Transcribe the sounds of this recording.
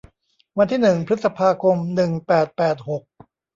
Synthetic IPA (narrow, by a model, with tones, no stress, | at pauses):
wa˧nt̪ʰiː˥˩nɯ˨˩ŋpʰɾɯ˦˥t̪sa˧pʰaː˧kʰo˧mnɯ˨˩ŋpɛː˨˩t̪̚pɛː˨˩t̪̚ho˨˩k̚